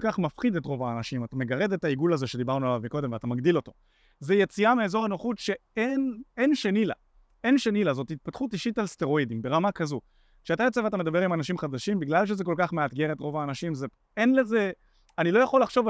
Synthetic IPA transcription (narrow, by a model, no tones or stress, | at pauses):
kaχmafχid̪e̞tʁo̞vaːnaʃimatame̞ɡaʁe̞detaiɡulazeʃe̞d̪ibaʁnualavmiko̞d̪e̞mveat̪amaɡdilo̞to̞ | zejet͡siameezo̞ʁenoχutʃe̞enenʃenila̰ | e̞nʃenilazo̞thit̚pat̪χutiʃitalste̞ʁo̞idimbe̞ʁamakazo | kʃeatajet͡seveat̪̬ame̞d̪abe̞ʁimanaʃimχadaʃimbiɡlalʃ̬ezeko̞lkaχmeat̪ɡe̞ʁe̞tʁo̞vaːnaʃimze | enleze̞ | anilo̞jaχo̞lːaχʃo̞v